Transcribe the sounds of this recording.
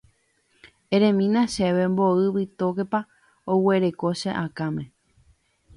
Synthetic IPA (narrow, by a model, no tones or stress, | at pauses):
ẽɾẽ̞mĩnãʃeʋe̞mbo̞ɨβit̪okepa | owe̞ɾe̞ko̞ʃeʔakãmẽ̞